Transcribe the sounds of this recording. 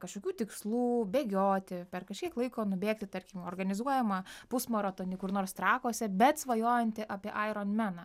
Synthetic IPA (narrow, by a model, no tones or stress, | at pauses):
kɐʃkoːkʲuːt̪ʲɪkslˠuːbʲeːɡʲoːt̪ʲɪpʲɛrkɐʃʲkʲiɛklˠɐɪkoːnʊbʲeːkt̪ʲɪt̪ɐɾʲkʲɪmoːrɡɐnʲɪzuɔjɛmɐpʊsmoɾɐt̪oːnʲɪkʊrnoːrst̪ɾɑːkoːsʲɛbʲɛt̪sʋɐjoːjɛnʲt̪ʲɪʔɑpʲiɛʔɐɪɾoːnmʲænɐ